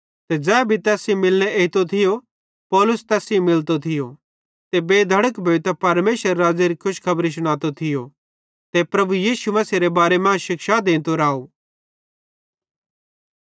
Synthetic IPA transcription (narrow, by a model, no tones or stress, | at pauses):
t̪ɛd͡zɛːbʱit̪ɛːsimɪlñeeɪt̪ot̪ʰɪjo | pɔːlʊst̪ɛːsĩmɪlt̪ot̪ʰɪjo | t̪ebeːd̪ʱɐɽəkbʱeːt̪apɐɾmeːʃəɾːaːd͡zeɾikʰʊʃkʰɐbɾis̬ʊɽ̃aːt̪ot̪ʰɪjo | t̪epɾɐbujiːʃumɐsiɾebaːɾemãːʃɪkʃad̪ẽːnt̪oɾaːo